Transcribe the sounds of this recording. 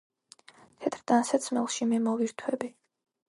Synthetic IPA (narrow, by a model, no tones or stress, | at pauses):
t̪ʰɛt̪ʰɾd̪̥ansat̪sʰmɛlˠʃimɛmɔviɾt̪ʰwɛbi